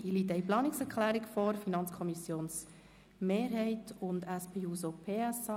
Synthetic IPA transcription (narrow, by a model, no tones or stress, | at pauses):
iliːtɛɪplɑːnɪksɛɾkʰlæːɾikfɔɾfinɑnt͡skʰɔmisjoːns | meːɾɦɛɪtʊndæspʰeːuːsopʰeːɛsɑ